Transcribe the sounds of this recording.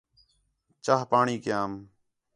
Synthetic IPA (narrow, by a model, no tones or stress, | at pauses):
t͡ʃaːɦpaːɳiːkɪjaːm